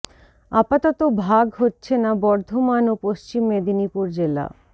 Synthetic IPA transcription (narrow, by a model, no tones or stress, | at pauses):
apat̪ɔt̪obʱaɡɦotːɕʰenabɔɾd̪ʱomanopost͡ɕimːed̪inipuɾd͡ʑela̰